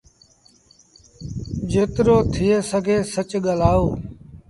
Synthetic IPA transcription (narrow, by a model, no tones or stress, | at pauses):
d͡ʒeːt̪ɾoːt̪ʰɪːeːsəɡʱeːsət͡ʃɠəlaːoː